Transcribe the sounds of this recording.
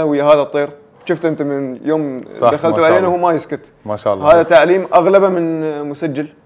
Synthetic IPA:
ahwɪjːaɦaːðat̪ˤːiːɾ | ʃʊft̪ʔɪnt̪amɪnjoːmd̪axalt̪uʕaleːnahuːmajɪskʊt̪ | aʃa̰haːðat̪aʕliːmʔaɣlabamɪnmʊsad͡ʒːal

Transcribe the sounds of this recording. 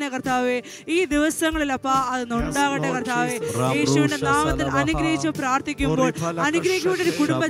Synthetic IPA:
nekɐrt̪ʰaːʋe | iːd̪iʋɐsɐŋːɐɭilɐpːɐɐðɨnuɳɖaːɣɐʈːekɐrt̪ʰaːʋeːjeːʂuʋindenaːmɐt̪ːilʔɐnuɡɾɐɦit͡ɕːupɾaːrt̪ikʲːumboːɭɐnuɡɾɐɦikʲːumiɳːɖoɾukuɽumbɐ

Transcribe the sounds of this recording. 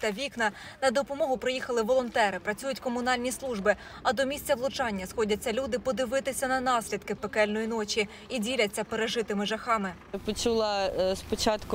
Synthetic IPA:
t̪ɐʋʲiknɐnɐd̪ɔpɔmɔɦʊpɾɪjixɐlˠɪʋɔlˠɔnt̪ɛɾɪpɾɐt͡sʲujʊtʲkɔmʊnɑlʲnʲislˠuʒbɪ | ɐd̪ɔmʲisʲt͡sʲɐʋlˠʊt͡ʃɑnʲːɐsxɔdʲɐt͡sʲːɐlʲud̪ɪpɔd̪ɪʋɪt̪ɪsʲɐnɐnɑsʲlʲid̪̚kɪpekɛlʲnɔjinɔt͡ʃʲi | idʲilʲɐt͡sʲːɐpeɾeʒɪt̪ɪmɪʒɐxɑmɪ | pɔt͡ʃulˠɑspɔt͡ʃɑt̪kʊ

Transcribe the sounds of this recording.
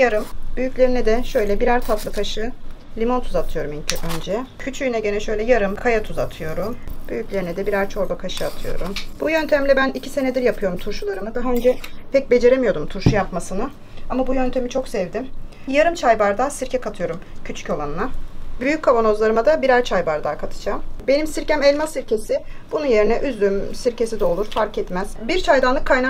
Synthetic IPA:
jaɾɯmbyjycʲlʲe̞ɾinɛd̪ɛʃø̞jlʲɛbiɾæɾt̪ʰat̪lˠakʰaʃɯ | lʲimo̞nt̪ʰuzat̪ʰɯjo̞ɾumiɲcʰyʔø̞nd͡ʒɛcʰyt͡ʃʰyjynɛɟe̞nɛʃø̞jlʲɛjaɾɯmkʰajat̪ʰuzat̪ʰɯjo̞ɾumb̥yjyclʲe̞ɾinɛd̪ɛbiɾæɾt͡ʃʰo̞ɾbakʰaʃɯat̪ʰɯjo̰ɾumb̥ujønt̪ʰemimlʲɛbænicʰi̥se̞ned̪iɾjapʰɯjo̞ɾumt̪ʰuɾʃulˠaɾɯmɯd̪aɦaønd͡ʒɛpʰɛc̚be̞d͡ʒe̞ɾemijo̞d̪umt̪ʰuɾʃujapmasɯnɯ | amabujønt̪ʰe̞mit͡ʃʰo̞ksɛvd̪im | jaɾɯmt͡ʃʰajbaɾd̪asiɾcʰɛkʰat̪ʰɯjo̞ɾumcʰyt͡ʃʰy̥co̞lˠanɯnabyjyc̚kʰːavo̞no̞zlˠaɾɯmad̪abiɾæɾt͡ʃʰajbaɾd̪akʰat̪ʰɯ̥d͡ʒaːmbe̞nimsiɾcæmɛlʲmasiɾcʰe̞sɪbununje̞ɾinɛʔyzlʲymsiɾce̞sid̪ɛo̞lˠuɾfaɾkɛt̪mæz̥biɾt͡ʃʰajd̪anlˠɯkʰːajna

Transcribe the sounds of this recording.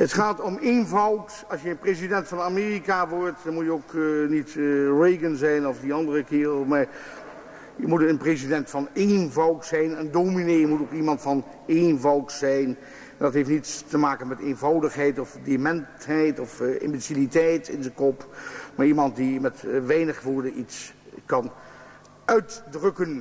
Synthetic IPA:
ɦətχaːtɔmejnvɑwt | ɑlˠsjəənprezidɛntfɑnamɪːrikaʋɔɹtdɑnmutjəoknitrejɡənzɛjnɔvdiɑndərəkɪːrəlˠmaːɹ | jəmutənprezidɛntfɑnenvɑwtsɛjnəndoːminejəmutokimɑntfɑn | envɑwtsɛjn | ndɑtɦejftnitstəmaːkənmɛtejnvɑwdəχɦɛjtɔvdemɛntɦɛjtɔfɪ̰mbisilitɛjtɪnzəkɔpmaːɹimɑntdimɛtʋɛjnəχʋʊːɹdənitskɑn | œɥtdrɵkən

